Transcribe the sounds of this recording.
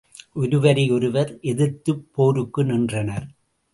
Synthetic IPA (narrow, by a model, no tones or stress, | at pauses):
ʔʊɾɯʋɐɾɪɔɾɯʋɐɾʔɛðɪɾt̪ɯpːoːɾɯkːɯnɪndrɐnɐɾ